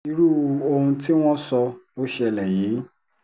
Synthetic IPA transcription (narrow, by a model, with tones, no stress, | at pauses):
i˧˦ɾu˦o˧hũ˧ti˦w̃ɔ̃˦sɔ˧o˦ʃɛ˧˨lɛ˨ji˨˦